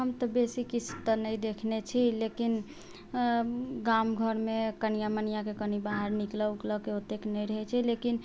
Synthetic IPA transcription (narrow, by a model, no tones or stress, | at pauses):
ɦəmt̪əbesikit͡ʃʰt̪ənəjd̪ekʰnet͡ʃʰilekin | ɡamɡʱəɾmekənijamənijakekənibaɦəɾnikləwkləkeot̪eknəjɾəɦɛt͡ʃʰilekin